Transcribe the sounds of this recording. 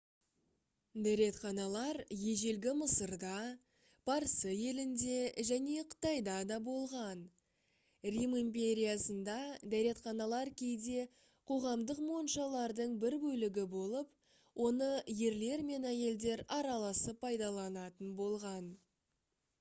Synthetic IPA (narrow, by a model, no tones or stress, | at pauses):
d̪æɾe̞t̪χɑnɑlˠɑɾje̞ʒe̞lɡʲɪməsəɾd̪ɑ | b̥ɑɾsəje̞lɪnd̪e̞ʒæne̞qʰə̥t̪ɑjd̪ɑd̪ɑbo̞lˠʁɑn | rimimpʲe̞ɾʲijasənd̪ɑd̪æɾe̞t̪χɑnɑlˠɑɾkʲʰe̞jd̪e̞ | qʰo̞ʁɑmd̪əqmo̞ənʃɑlˠɑɾd̪əɴbɪɾbɵlɪɡʲɪbo̞lˠəp | wʔo̞nəje̞ɾle̞ɾme̞næje̞ld̪e̞ɾɑɾɑlˠɑsəpʰːɑjd̪ɑlˠɑnɑt̪ənbo̞lˠʁɑn